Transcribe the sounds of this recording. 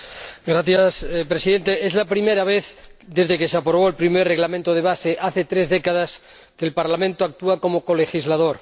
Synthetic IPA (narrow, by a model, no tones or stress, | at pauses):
ɡɾaθjaspɾesiðe̞nt̪eʔezlapɾimeɾaβ̞eθd̪e̞zðekeseapɾoβ̞oelpɾimerreɣlamẽnt̪oð̞eβaseʔaθe̞t̪ɾezðekað̞as | keːlpaɾlamẽnt̪oak̚t̪uako̞moko̞le̞xizlaðoɾ